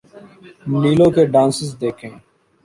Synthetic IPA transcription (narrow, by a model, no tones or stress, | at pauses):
miːlõːkeːɖãːnsɪsd̪eːkʰẽː